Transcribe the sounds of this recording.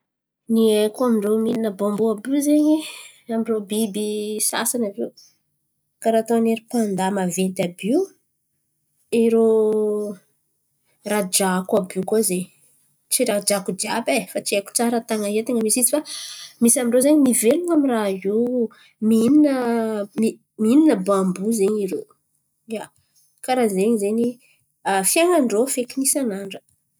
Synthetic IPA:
niekamiɳɖ͡ʐomininəbombuabizeɲi | amiɳɖ͡ʐobibisa̰sanavew | kaɾat̪oaneɾipand̪amavent̪abiw | eɾo | rad͡ʒakabikaze | t͡siɾad͡ʒakud͡ʒabefat͡siaku̥t͡saɾət̪aŋaet̪eŋəmisit͡sifamisamiɳɖ͡ʐozeɲimiveluŋamiraɦiw | mininəmi | miininəbambuzeɲiɾo | ja | kaɾazeɲizeɲi | afiaŋaɳɖ͡ʐofekinisanaɳɖ͡ʐə̥

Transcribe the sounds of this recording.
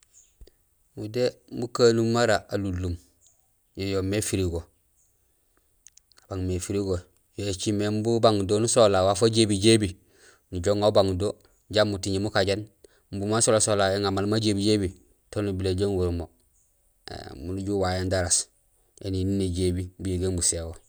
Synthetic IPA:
mudembukanumːaɾaalulːum | jojomefiɾiɡo | abaŋmefiɾiɡo | joet͡ʃimembubaŋdonusolawafaɟebiɟebi | nuɟoŋaubaŋdo | ɟamːutiɲimukaɟen | mbumansolasolajeŋamalmaɟebiɟebi | tonubileɟeŋɡuɾumo | ḛmunuɟuwajendaɾas | jḛninineɟebibujiɡembusewo

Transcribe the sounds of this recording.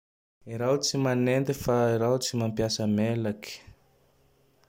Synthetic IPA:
iɾawt͡simanend̪ifaiɾawt͡simampjasəmelaki̥

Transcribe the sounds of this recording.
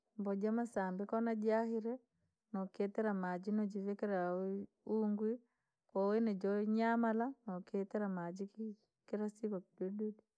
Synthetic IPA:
mbɔd͡ʒamasambikɔnad͡ʒahiɾɛ | nɔkɛtɛɾamad͡ʒinɔd͡ʒivɛkɛɾa | uŋɡwi | kɔwɛnɛd͡ʒɔɲamalanɔkɛtɛɾamad͡ʒik | kiɾasiβakudududi

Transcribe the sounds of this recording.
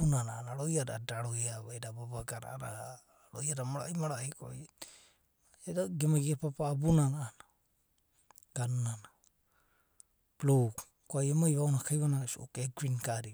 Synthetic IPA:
unanaːnaɾojada̰daɾojaβajdababaɡaɾa̰ɾa̰ | ɾojadamaɾa̰jmaɾaiko̰ | edaɡemaɡiapapaːbunanaːna | ɡ̥annana | pluk | koajemaiβaonakajβanasuo̰keɡɾinkaɾi

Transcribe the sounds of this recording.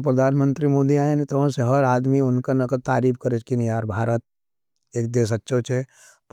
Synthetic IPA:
pɾɐd̪ʱaːnmə̃nt̪ɾimoːd̪iaːenit̪õseɦɐɾaːd̪miʊnkanɐkət̪aːɾiːfkɐɾet͡ʃkinjaːɾbʱaːɾət̪̚ | eːk̚d̪eːs̬ɐtːʃʰot͡ʃʰe | p

